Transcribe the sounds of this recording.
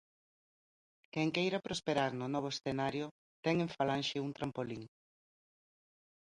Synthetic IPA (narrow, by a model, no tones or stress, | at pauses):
kɛŋkejɾapɾospeɾaɾnʊnɔβ̞oesθenaɾjʊ | t̪ɛŋeɱfalanʃɪunt̪ɾampoliŋ